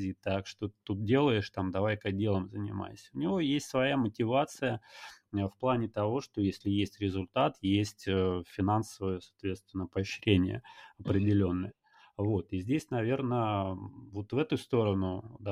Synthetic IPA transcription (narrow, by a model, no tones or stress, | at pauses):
zʲit̪akʂt̪ot̪ːut̪̚dʲe̞lˠəjɪʂt̪amd̪ɐvajkɐdʲelˠəmzənʲɪ̰ma̰jsʲəʊnʲɪvo̞jesʲtʲsvɐjamətʲɪvat̪sɨjəəfplˠanʲɪt̪ɐvo̞ʂt̪o̞jesʲlʲɪjesʲtʲɾʲɪzʊlʲt̪at̪jesʲtʲəfʲɪnansəvəjəsɐ̥ːt̪vʲe̞t̪st̪vʲɪnːəpəːɕɾʲenʲɪjə̰ɐpɾʲɪdʲɪlʲo̞nːɨjə | vo̞t̪ɨzʲdʲesʲnɐvʲe̞rnə | vo̞t̪vɛt̪ʊst̪o̞ɾənʊd̪